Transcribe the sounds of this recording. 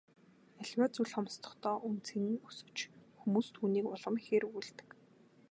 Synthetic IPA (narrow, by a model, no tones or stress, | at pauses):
æɮʲwaːt͡suɮχɔmst̪ʰɞ̥̆χt̪ʰɔːʔunt͡sʰeŋɘ̆ŋusɘ̆w̥t͡ɕxumuːst̪ʰuːniːkʊɮə̆mxeːɾujɮt̪ɘ̥̆k